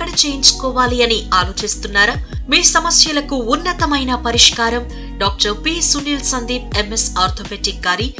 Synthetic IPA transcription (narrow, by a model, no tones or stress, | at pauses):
kɐɽit͡ʃe̞ːjint͡ʃu̥kɔːʋaːliɐniaːloːt͡ʃist̪unːaːɾamiːsɐmɐsjɐlɐkuːnːɐt̪ɐmɐjnɐpɐɾiʂkaːɾɐm | ɖaːk̚ʈɐɾpiːsuniːlsɐnd̪iːp̚emesaːɾt̪ʰoːpeːʈik̚ɡaːɾi